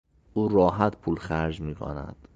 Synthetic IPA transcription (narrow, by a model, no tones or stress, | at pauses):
ʔuːrɒːɦæt̪pʰuːlxæɾd͡ʒmiːkʰo̰næ̰d̪̥